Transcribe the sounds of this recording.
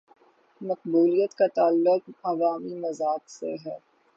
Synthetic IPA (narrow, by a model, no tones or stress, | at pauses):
mɐq̚buːlijət̪kat̪aːlːʊq̚ɐʋaːmimɐzaːksḛɦɛː